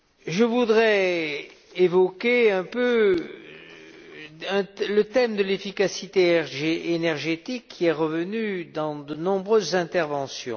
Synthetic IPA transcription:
ʒəvud̪ʁɛ | evɔkʲeɛ̃pø | ɛ̃lət̪ɛmd̪əlefikasit̪eenɛʁʒet̪ikʰːiɛʁəvənyd̪ɑ̃d̪ənɔ̃bʁøzːɛ̃t̪ɛʁvɑ̃sjɔ̰̃

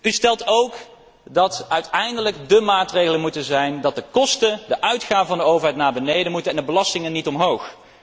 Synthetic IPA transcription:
ystɛlˠtowk | dɑtœɥtɛjndələɡdəmaːtrejɣələnmutənzɛjndɑt̚dəkɔstəndəʔœɥtχaːvəvɑndəowvəɹɦɛjtnaːɹbənejdənmutənɛndəbəlɑstɪŋənːitɔmɦowx

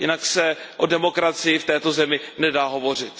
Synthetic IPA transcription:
jɪnaksɛʔodɛmo̞kɾat͡sɪjɪft̪ɛːt̪ozɛmɪnɛdaːɦo̞vo̞r̝ɪt̪

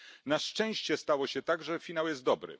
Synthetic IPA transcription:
naʂt͡ʂɛ̃w̃ɕt͡ɕɛst̪awɔɕɛt̪aɡʐɛfʲinawjɛst̪d̪ɔbɾɘ̰

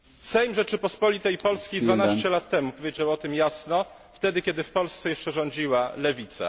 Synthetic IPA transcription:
sɛjmʐɛt͡ʂɘpɔspɔlʲit̪ɛjpɔlskʲejd̪vanaɕt͡ɕɛlat̪ːɛmupɔvʲed͡ʑawɔt̪ɘmjasnɔ | ft̪ɛd̪ɘkʲɛd̪ɘfpɔlst̪sɛjɛʂt͡ʂɛʐɔɲd͡ʑiwalɛvʲit̪sa̰

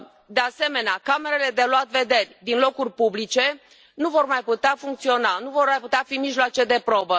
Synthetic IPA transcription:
d̪e̞ase̞me̞neakame̞ɾele̞d̪e̞loat̪ve̞d̪e̞rʲd̪inlo̞kurʲpublit͡ʃe̞ | nuvo̞rmajput̪eafuŋkt̪sio̞nanuvo̞rmajput̪eafimiʒloat͡ʃe̞d̪e̞pɾo̞bə

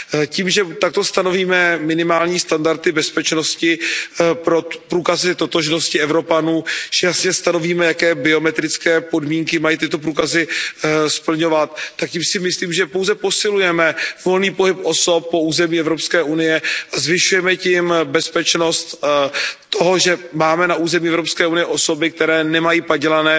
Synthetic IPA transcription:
ciːmʒɛt̪ak̚t̪o̞st̪ano̞viːmɛmɪnɪmaːlɲiːst̪andaɾt̪ɪbɛspɛt͡ʃnoscɪpɾo̞pɾuːkazɪt̪o̞t̪oʒnoscɪɛvɾo̞panuːʒ̥ɛjasɲɛst̪ano̞viːmɛjakɛːbɪo̞mɛt̪ɾɪt͡skɛːpo̞dmiːŋkɪmajiːt̪ɪt̪o̞p̬ɾuːkazɪspl̩ɲo̞vat̪ːak̚cɪmsɪmɪsliːmʒɛpo̞wzɛpo̞sɪlujɛmɛvo̞lniːpo̞ɦɪpʔo̞so̞p̚ːo̞uːzɛmiːɛvɾopskɛːʔunɪjɛʔazvɪʃujɛmɛcɪmbɛspɛt͡ʃno̞st̪ː | oɦo̞ʒɛmaːmɛnaʔuːzɛmiːɛvɾopskɛːunɪjɛʔo̞so̞bɪk̚t̪ɛɾɛːnɛmajiːpaɟɛlanɛː

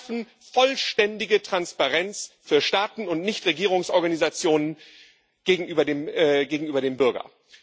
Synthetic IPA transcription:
fn̩ | fɔlʃtɛndɪɡətʁ̥anspaʁɛnt͡sfyːɐʃtaːtn̩ʊntnɪçtʁeɡiːʁ̞ʊŋsʔɔɐɡanizat͡sjoːnən | ɡ̥eːɡŋ̩ʔyːbɐdeːmːɡeːɡŋ̩ʔyːbɐɾeːmbʏɐɡɐ̰

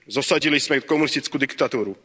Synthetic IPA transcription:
zɔsaɟilizmɛkɔmunist̪it͡skud̪ikt̪at̪uːɾu

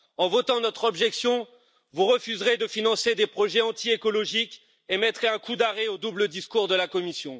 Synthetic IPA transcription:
ɑ̃vɔt̪ɑ̃nɔt̪χɔbʒɛksjɔ̃ | vuʁəfyzʁed̪əfinɑ̃sed̪epχɔʒɛɑ̃t̪iekɔlɔʒik | emɛt̪χeɛ̃kud̪aʁɛod̪ubləd̪iskuʁd̪əlakɔmisjɔ̃

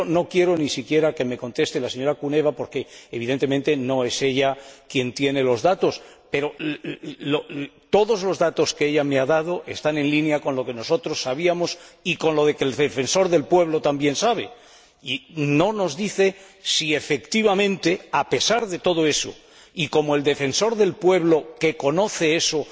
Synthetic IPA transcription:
ono̞kje̞ɾo̞nisikje̞ɾake̞me̞ko̞nt̪e̞st̪elaseɲo̞ɾakune̞βapo̞ɾkeeβ̞iðe̞nt̪e̞ment̪e̞no̞e̞se̞ʎakje̞nt̪je̞ne̞lo̞zðat̪o̞spe̞ɾo̞ | lot̪o̞ðo̞zlo̞zðat̪o̞skeeʎame̞aðað̞o̞ʔest̪ane̞nlinjako̞nlo̞ke̞no̞so̞t̪ɾo̞sːaβ̞iamo̞siko̞nlo̞ð̞e̞kelefe̞nso̞ɾðe̞lpwe̞β̞lo̞t̪ambje̞nsaβe̞ | ino̞no̞zðiθe̞ | sie̞fe̞kt̪iβamẽ̞nt̪e̞ape̞saɾðe̞t̪o̞ð̞oe̞so̰ | iko̞moe̞ld̪e̞fe̞nso̞ɾðe̞lpwe̞β̞lo̞ke̞ko̞no̞θe̞e̞so̞

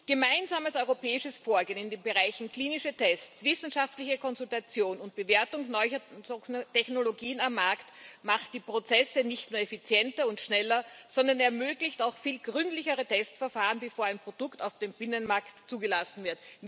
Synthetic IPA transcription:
ɡ̥əmaɪnzaːməsɔʏʁopɛːɪʃəsfoːɐɡeːnɪndeːnbəʁaɪçn̩kʰliːnɪʃɐtʰɛstt͡sv̥ɪsn̩ʃaftlɪçəkʰɔnzʊltat͡sjoːnʊnt̚b̥əveːɐtʊŋnɔʏçɐnɐtɛçnoloɡiːənamːaɐktmaχtd̥iːpʁ̥ot͡sɛsənɪçtnuːɐɛfit͡sjɛntɐʊntʃnɛlɐz̥ɔndɐnɛɐmøːɡlɪçtaʊxfiːlɡ̥ʁʏntlɪçəʁətʰɛstfɛɐfaːʁənbəfoːɐæɪnpʁ̥od̥ʊktaʊfd̥eːmb̥ɪnənmaɐktt͡suːɡəlasn̩vɪɐt

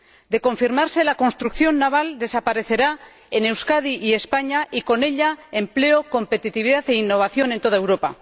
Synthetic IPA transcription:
d̪e̞ko̞ɱfiɾmaɾse̞lako̞nst̪ɾukθjo̞nːaβ̞ald̪e̞sapaɾe̞θe̞ɾa | ene̞wskaðiʔie̞spaɲaʔiko̞ne̞ʎae̞mple̞o̞ko̞mpe̞t̪it̪iβiðaθe̞inːo̞β̞aθjo̞nent̪o̞ð̞ae̞wɾo̞pa̰

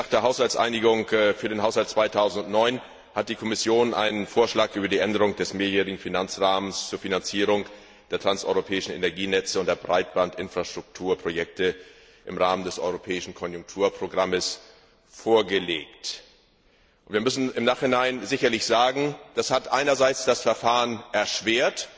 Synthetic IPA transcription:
naːχd̥eːɐɦaʊshalt͡sʔa̰ɪnɪɡʊŋfyːɐdeːnhaʊshaltt͡sv̥aɪtʰaʊzn̩tʊnnɔʏn | hat̚d̥iːkʰɔmɪsjoːnʔa̰ɪnənfoːɐʃlaːkʔyːbɐdiːʔɛndəʁ̞ʊŋd̥ɛsmeːɐjɛːʁɪɡŋ̩finant͡sʁaːmənst͡suːɐfinant͡siːʁ̞ʊŋ | d̥eːɐtʁ̥ansʔɔ̰ʏʁopʰɛːɪʃn̩ḛnɛɐɡiːnɛt͡səʊntd̥eːɐbʁaɪt̚b̥antʔɪnfʁ̥aʃtʁ̥ʊk̚tʰuːɐpʁ̥ojɛk̚tə | ʔɪmʁaːməndɛsʔɔ̰ʏʁopʰɛːɪʃn̩kʰɔnjʊŋk̚tʰuːɐpʁ̥oɡʁaməs | foːɐɡəleːkt | ʔʔʊntviɐmʏsn̩ɪmnaːχhɪnaɪnzɪçɐlɪçz̥aːɡŋ̩d̥ashatʔaɪnɐzaɪt͡sd̥asfɛɐfaːʁənʔɛɐʃv̥eːɐt

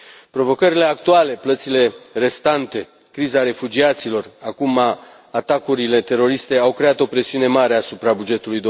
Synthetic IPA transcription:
pɾo̞vo̞kəɾile̞akt̪uale̞plət̪sile̞re̞st̪ant̪e̞ | kɾizaɾe̞fud͡ʒiat̪silo̞rakumaː | t̪akuɾile̞t̪e̞ɾo̞ɾist̪e̞awkɾe̞at̪o̞pɾe̞siune̞maɾe̞asupɾabud͡ʒe̞t̪ulujd̪o

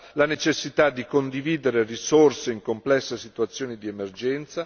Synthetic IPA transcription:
lanet͡ʃesːit̪ad̪ːikond̪iviːd̪eɾerisorseiŋkomplɛsːesit̪uat̪sːjoːnid̪iemerd͡ʒɛnt̪sa

